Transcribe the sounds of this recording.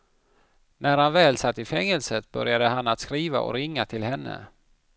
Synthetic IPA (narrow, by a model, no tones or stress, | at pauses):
næɾhanvɛːlsat̪ːɪfɛŋːəlsət̪̚bœ̰ɾjad̪əɦanat̪skɾiːva̰ʔɔ̰ɾɪŋːat̪ʰɪlɦɛnːə̰